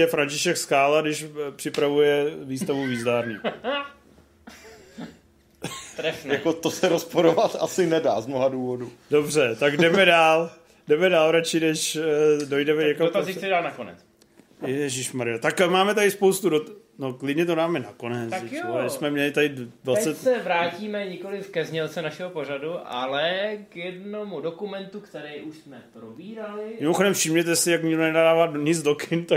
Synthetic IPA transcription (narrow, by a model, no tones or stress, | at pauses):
ɛfɾancɪʃɛkskaːladɪʃpr̝̥ɪpɾavujɛviːst̪avuviːzdaːɾniː | t̪ɾɛfjakot̪osɛɾospoɾovat̪asɪnɛda̰ːzmnoɦaduːvodudo̞br̝ɛt̪aɡdɛmɛdaːl | dɛmɛdaːlɾat͡ʃɪnɛʃdo̞jdɛmɛɲɛkaot̪azɪt͡sɛdaːnakonɛ̰t͡s | jɛjɛʒɪʃmaɾɪjot̪akmaːmɛt̪adɪspowst̪udot̪ | noklɪdɲɛt̪odaːmɛnako̞nɛt͡saɛoɛsmɛmɲɛlɪt̪adɪdvasɛt̪ssɛvɾaːciːmɛɲɪko̞lɪfkɛzɲɛlt͡sɛnaʃɛɦopoɾaduʔa̰lɛkjɛdnomudokumɛnt̪ukt̪ɛɾɛjʔuʃsmɛpɾobiːɾalɪmɪmo̞xodɛmfʃɪmɲɛt̪ɛsɪjakɲɪɡdonɛdaːdaːvaːɲɪd͡zdokʰɪnt̪ak